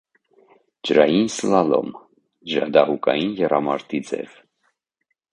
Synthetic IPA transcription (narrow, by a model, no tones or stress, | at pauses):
d͡ʒəɾɑjinsəlɑlɔ̰m | d͡ʒɾɑd̪ɑɦukɑjinjɛrɑmɑɾt̪id͡zɛ̰v